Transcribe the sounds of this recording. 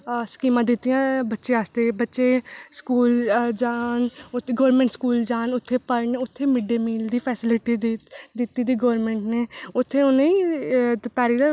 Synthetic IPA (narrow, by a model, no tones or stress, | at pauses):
skiːmãːd̪ɪt̪ːijãːbətːʃeast̪eːbətːʃeːskuːld͡ʒaːnʊɡoːɾmẽːɳʈskuːld͡ʒaːnʊt̪ʰːeːpəɾnʊt̪ʰːeːmɪɖeːmiːld̪iːpʰɛːsɪlɪʈid̪d̪ɪt̪ːiːd̪iːɡoːɾmẽːɳʈneːʊt̪ʰːeːʊnẽiː | pɛːɾiː